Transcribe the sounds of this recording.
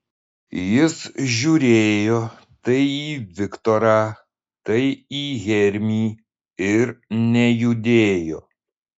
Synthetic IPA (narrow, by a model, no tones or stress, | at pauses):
jɪsʒʲuːɾʲeːjoː | t̪ɐɪiːʋʲɪkt̪ɔːɾaː | t̪ɐɪiːɣʲɛɾʲmʲiː | ɪɾnʲɛjud̪ʲeːjo̰ː